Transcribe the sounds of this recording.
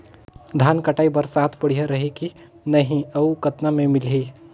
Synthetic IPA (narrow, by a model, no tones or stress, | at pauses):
d̪ʱaːnkɐʈaːibəɾsaːt̪ʰpəɽ̤iɦaɾɐɦeki | nɐɦĩɐukɐt̪namẽmɪli